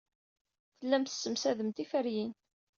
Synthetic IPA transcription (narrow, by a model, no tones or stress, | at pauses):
θəlːæmt̪ə̥sːəmsæðəmt̪ifəɾjin